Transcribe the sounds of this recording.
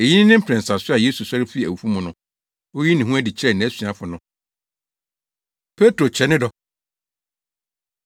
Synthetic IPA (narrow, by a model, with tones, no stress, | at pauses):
e˨ji˦nɪ̃˦nɪ̃˦m̩˦pʰɛ̃˨n˨sa˨sʊ˦a˨je˦su˨sa˦ɾɪ˦fi˦˨æ̰˨wu˨fũ˦mʊ̃˨nʊ̃˦ | o˦ji˦nɪ̃˨ɦũ˦æ˦dɪ˨t͡ɕʰɪ˦ɾɛ˦˨nɪ̃˨æ˦sɥa˦fʊ˨nʊ̃˦ | pʰe˦tɾo˨t͡ɕʰɛ˨nɪ̃˦dɔ˨